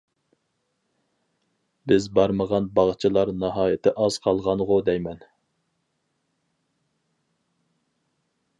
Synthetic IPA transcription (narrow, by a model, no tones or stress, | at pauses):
bɪzbɑɾməʁɑnbɑʁt͡ʃʰɨlˠɑɾnɑɦɑːjɪt̪ʰɪʔɑz̥qʰɑlˠʁɑnʁʊd̪ɛjmɛn